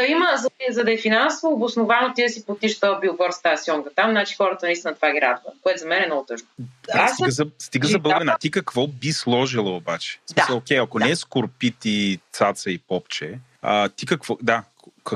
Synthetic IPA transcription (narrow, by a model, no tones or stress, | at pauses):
ɐiməzɐzɐd̪ɐɛfinansovoːbʊsnovanot̪iəsipot̪iʃt̪əbiʊɡɔɾst̪aəsjɔŋɡət̪amnat͡ʃi̥xɔɾət̪ənɐist̪inət̪ovaɡʲiɾa̰d̪və̰koɛt̪ʊzɐmɛnɛnɔɡʊt̪ɤʃnoast̪ɡəzɐst̪iɡəzɐbəlˠɛnat̪ikɐkvɔbislˠɔʒilˠoobat͡ʃɛ̥smisəlˠokʲɛjɐkonɛskʊɾpit̪it̪sat̪səipɔpt͡ʃɛ | ət̪ikɐkvɔd̪a | kɐ